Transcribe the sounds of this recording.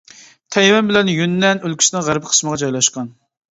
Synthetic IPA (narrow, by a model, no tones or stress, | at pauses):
t̪ʰɛjwɛnbɪlɛnjynːɛnølkʲy̥snɪŋʁæɾpqʰə̥sməʁɑd͡ʒɑjlˠɑʃqɑn